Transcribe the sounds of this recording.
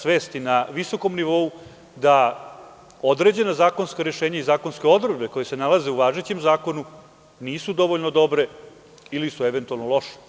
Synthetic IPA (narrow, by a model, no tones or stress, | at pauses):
sʋe̞ːst̪inaʋiso̞ko̞mniʋo̞u | d̪a | o̞d̪ɾe̞d͡ʑe̞nazaːko̞nskaɾeʃeːɲaizaːko̞nske̞o̞d̪ɾed̪be̞ko̞jese̞nalaze̞uʋaːʒet͡ɕe̞mzaːko̞nu | niːsud̪o̞ʋo̞ʎnod̪o̞bɾe̞ | ilisueʋe̞nt̪ualˠnolˠo̞ʂe̥